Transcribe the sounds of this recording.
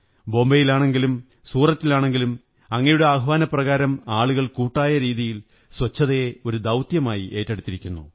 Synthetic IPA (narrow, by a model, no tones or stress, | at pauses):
bo̞ːmbɐjilaːɳe̞ŋɡilum | suːrɐt̪ːilaːɳe̞ŋɡilum | ɐŋːɐjuɽeaɦɐʋaːnɐprɐɣaːɾɐmaːɭuɣɐɭkuːʈːaːjɐɾiːðijil | swɐt͡ɕːɐðɐjeo̞ɾud̪ɐwt̪jɐmaːjiʔe̞ːtːeɽut̪ːiɾikʲːunːṵ